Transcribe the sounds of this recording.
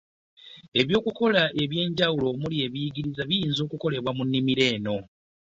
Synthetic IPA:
e̞βjo̞ːkuko̞laʔe̞βje̞ːɲɟawulo̞mulie̞βijiɡiɾizaβijiːnzo̞ːkuko̞le̞βwamunːimiɾe̞ːno̞

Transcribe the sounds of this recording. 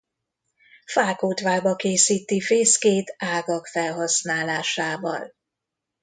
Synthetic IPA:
faːkoːt̪ʋaːlbɒkeːsiːt̪ifeːskeːt̪aːɡɒkfɛlɦɒsnaːlaːʃaːvɒ̰l

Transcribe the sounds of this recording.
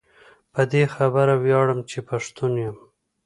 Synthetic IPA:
pəd̪exabəɾawjɑɽəmt͡ʃepaʂt̪unjəm

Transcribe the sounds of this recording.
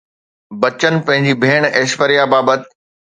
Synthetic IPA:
bɐt͡ɕən̆pɐ̃ɦɪ̃ɲd͡ʑibʱeːɽ̃eːʃʋəɾijabaːbət̪

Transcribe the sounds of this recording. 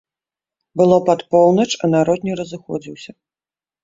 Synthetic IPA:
bɨlˠɔpat̪pɔwnɐt͡ʂɐnaɾɔd̪nʲɛɾɐzɨxɔ̰d͡zʲiwsʲɐ

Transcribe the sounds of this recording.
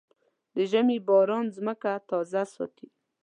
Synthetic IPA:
d̪əʒamebɑɾɑnzməkat̪ɑzasɑ̰t̪i

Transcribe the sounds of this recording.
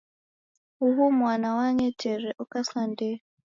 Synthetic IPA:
uβumwanawaɲɛtʰɛrɛʔukasandɛ

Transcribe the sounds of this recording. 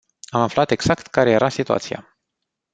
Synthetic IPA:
amaflat̪eɡz̥akt̪kaɾe̞je̞ɾʔasit̪ua̰t̪sija̰

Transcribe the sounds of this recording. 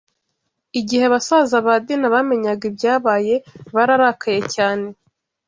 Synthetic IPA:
iɟiheaβasazaβad̪inaβame̞ɲaɡibɟaːβaːje̞βaɾaɾakʰaje̞caːne̞

